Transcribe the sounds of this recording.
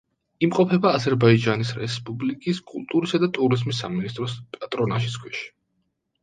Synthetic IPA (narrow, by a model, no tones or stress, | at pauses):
imqʼɔpʰɛbaːzɛɾbaid͡ʒanisɾɛ̰spʼublikʼiskʼṵlˠt̪ʼuɾisad̪at̪ʼuɾizmisa̰minist̪ʼɾɔspʼat̪ʼɾɔnaʃ̬iskʰwɛʃi̥